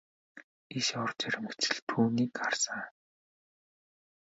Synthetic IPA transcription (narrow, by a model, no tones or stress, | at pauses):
iʃɔrt͡ɕæɾʲɪ̆mɘ̆kt͡ɕɘ̆ɮt̪ʰuːniːkɢarsəŋ